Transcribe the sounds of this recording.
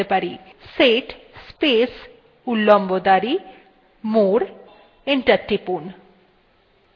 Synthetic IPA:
epaɾiseʈspes | ulːombod̪aɾi | moɾ | eɳʈəɾʈipun

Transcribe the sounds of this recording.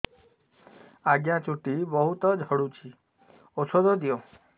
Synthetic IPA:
aɡjãt͡ʃuʈibɔɦut̪ɔd͡ʒʱɔɽut͡ʃʰi | osʰod̪ɔd̪ijo

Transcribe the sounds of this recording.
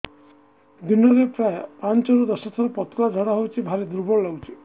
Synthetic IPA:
d̪inɔɾepɾaepant͡ʃɔɾud̪ɔsɔt̪ʰɔɾɔpɔt̪ɔlad͡ʒʱɔɽaɦowt͡ʃʰibʱaɾed̪uɾbɔɾɔlɔwt͡ʃʰi̥

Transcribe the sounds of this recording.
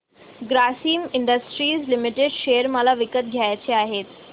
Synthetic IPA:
ɡɾasiːmɪɳɖəsʈɾiːzlɪmɪʈeɖʃejəɾməlaʋɪkət̪̚ɡʱjaːjt͡ɕeaːɦeːt̪

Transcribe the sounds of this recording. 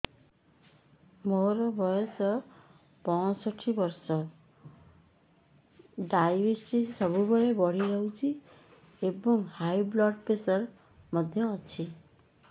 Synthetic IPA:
moɾɔbʱɔjɔsɔ | pɔsɔʈʰibɔɾsɔ | ɖajbesʈisɔbubeɭebɔɽ̤iɾɔɦwt͡ʃʰi | ebɔŋhajblɔʈpesɔɾ | mɔd̪ʱjɔːt͡ʃʰi

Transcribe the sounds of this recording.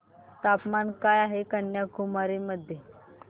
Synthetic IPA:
t̪apmankajaɦekəɳjakumaɾiməd̪ʱːje

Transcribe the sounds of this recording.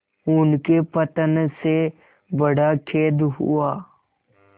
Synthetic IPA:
ʊnkepət̪ənse | bəɽakʰeːd̪ɦṵaː

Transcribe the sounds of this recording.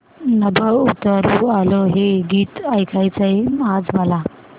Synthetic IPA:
nəbʱəut̪əɾualoɦeɡiːt̪ajkʰajt͡səjmad͡zməla

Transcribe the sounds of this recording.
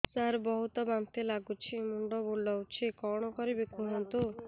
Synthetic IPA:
saɾbɔɦut̪ɔbant̪elaɡut͡ʃʰimuɳɖɔbulːawt͡ʃʰikɔɽ̃ɔkɔɾibekuɦɔnt̪u

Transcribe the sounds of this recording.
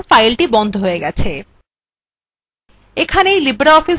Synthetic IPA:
fajlʈibɔnd̪ʱoɦoeɡɛt͡ɕʰe | ekʰaneejlibɾaɔfi

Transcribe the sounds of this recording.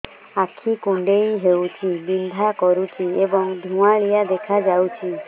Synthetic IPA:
akʰikuɳɖejɦewt͡ʃʰibind̪ʱakɔɾut͡ʃʰiebɔŋd̪ʱũaɭijad̪ekʰad͡ʒawt͡ʃʰi

